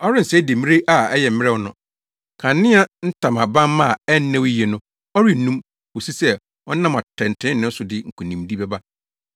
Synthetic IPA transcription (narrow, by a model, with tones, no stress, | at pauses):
ɔ˦ɾɪ˦n̩˨sɛ˦de˨m̃˦ɾe˦ʔa˨ɛ˦jɛ˨m̩˦mɪ˦ɾɛ˦˨˦nʊ̃˨ | kʰã˨nːɪ̃˦a˦n̩˦tʰã˨mã˨bã˦m˦mã˦˨ɛ˦n˦nːɛ̃˦wjɛ˨nʊ̃˦ | ɔ˦ɾi˦n̩˨nũ˦m | wo˨si˦sɛ˦ | ɔ˦nã˦ma˨tʰɛ̃˨n̩˨tʰɪ̃˦nɪ̃˦n̩˦sʊ˨dɪ˦ŋ̩˨kʰũ˨nĩ˨mdi˦bɛ˦ba˦